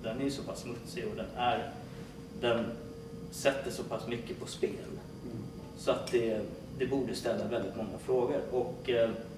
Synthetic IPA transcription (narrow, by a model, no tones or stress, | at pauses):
d̪ɛnæɾjsɔpʰasːmɵt̪sɪɔd̪ɛnæɾ | d̪ɛn | sɛt̪ːəʂɔpʰasmʏkːəpʰɔspeːl | sɔat̪̚d̪ɛ | d̪ɛbuːɖəst̪ɛlːavɛld̪ɪt̪mɔŋːafɾoːɡəɾɔk